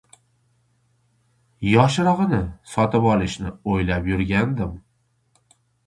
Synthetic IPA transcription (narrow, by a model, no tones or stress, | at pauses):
jɒʃɾɨʁɨnɪsɒt̪ʰɪpɒlˠɪʃnɪojlapjʊɾɡʲand̪ɪm